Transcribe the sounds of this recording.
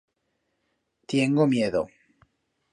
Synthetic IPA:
t̪jeŋɡomjeðo̰

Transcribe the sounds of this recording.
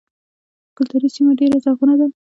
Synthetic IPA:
kʊlt̪uɾisimaɖeɾazaɣunad̪a

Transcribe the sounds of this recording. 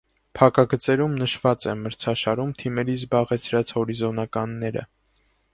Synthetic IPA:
pʰɑkɑɡət͡sɛɾumnəʃvɑt͡sɛməɾt͡sʰɑʃɑɾumt̪ʰimɛɾizbɑʁɛt͡sʰɾɑt͡shɔɾizɔnɑkɑnːɛɾə̰

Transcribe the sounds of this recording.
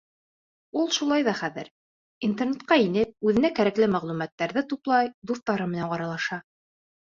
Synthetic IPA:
ulˠʃulˠɑjðɑχæðɘ̰ɾ | int̪ernet̪̚qɑinɘp̚ʉðɘ̆nækæɾæklɘmæʁlˠumæt̪ːæɾðɘt̪uplˠɑjd̪uθt̪ːɑɾɤmɘ̆næŋɑɾɑlˠɑʃɑ

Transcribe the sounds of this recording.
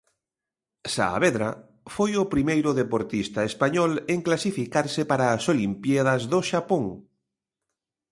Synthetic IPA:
sa̰ːβeðɾa | fojʊpɾimejɾʊðepoɾt̪ist̪aespaɲɔleŋklasifikaɾsɪpaɾaːsolimpjaðɐzðoʃapoŋ

